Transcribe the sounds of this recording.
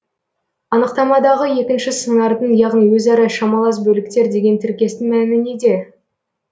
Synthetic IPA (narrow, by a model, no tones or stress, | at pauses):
ɑnəqt̪ɑmɑd̪ɑʁəje̞kʲɪnʃɪsəɴɑɾd̪ənjɑʁnijwɵzɑɾɑʃɑmɑlˠɑs̬bɵlɪk̚t̪e̞ɾd̪e̞ɡʲe̞nt̪ʰɪɾkʲe̞st̪ɪŋmæɪmɪned̪e̞